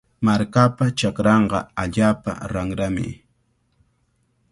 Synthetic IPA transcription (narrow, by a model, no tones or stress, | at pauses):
maɾkapat͡ʃakɾɑɴɢɑaʎaːpa̰ɾaŋɾamɪ̰